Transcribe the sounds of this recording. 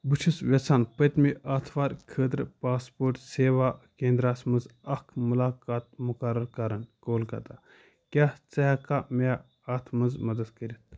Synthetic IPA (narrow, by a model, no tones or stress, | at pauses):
but͡ʃʰusʋʲet͡sʰaːnpɐt̪ʲmiʔɐt̪ʰʋaːɾkʰəːt̪ɾpaːspoːɾʈseːʋaːkẽːnd̪ɾaːsmɐnzɐkʰmulaːkaːt̪̚mukɐɾɐɾkɐɾɐnkoːlkɐ̰t̪a | kʲaːht͡sɐɦɐkam | aːt̪ʰmɐnzmɐd̪ɐd̪kɐɾʲit̪̚ʰ